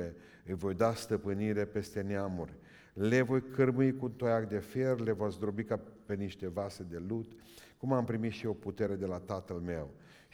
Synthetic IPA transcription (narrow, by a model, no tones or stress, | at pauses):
e̞ | ɨjvo̞jd̪ast̪əpɨniɾe̞pe̞st̪e̞neamurʲ | le̞vo̞jkʰɨrmɨikunt̪ojakd̪e̞fje̞rle̞vosd̪ɾo̞bikape̞niʃt̪e̞vase̞d̪e̞lut̪ | kumampɾimit̪ʃio̞put̪e̞ɾe̞d̪e̞lat̪at̪əlme̞w